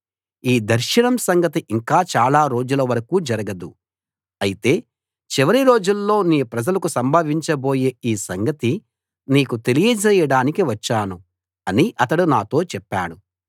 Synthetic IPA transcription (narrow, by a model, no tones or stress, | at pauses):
iːd̪ɐɾʃɐɳɐmsɐŋɡɐt̪iʔiŋkaːt͡ʃaːlaːɾo̞ːd͡ʒulɐʋɐɾɐkuːd͡ʒɐɾɐɡɐd̪u | ɐjit̪e̞ː | t͡ʃiʋɐɾiɾo̞ːd͡ʒulːo̞ːniːpɾɐd͡ʒɐlɐkusɐmbʱɐʋiɲt͡ʃɐbo̞ːje̞ːiːsɐŋɡɐt̪i | niːkut̪e̞lijɐd͡ʒɛjɐɽaːnikiʋɐt͡ʃːaːnu | ɐniʔɐt̪ɐɽunaːt̪o̞ːt͡ʃɛpːaːɽu